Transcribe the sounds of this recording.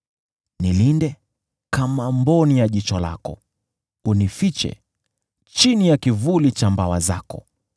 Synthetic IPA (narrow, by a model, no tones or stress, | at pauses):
nilindɛ | kamambɔnijaʄit͡ʃɔla̰kɔ̰ | unifit͡ʃɛ̰ | t͡ʃinijakivulit͡ʃambawazakɔ̰